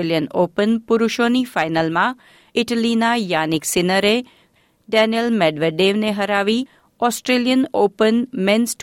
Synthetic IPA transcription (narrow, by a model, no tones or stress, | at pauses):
ljənoːpənpʊɾʊʃonifajnəlmã | ɪʈəlinajaniksɪnəɾe | ɖɛnijəlmɛɖʋeɖeʋneɦəɾaʋi | ɔsʈɾeljənoːpənmɪnsʈ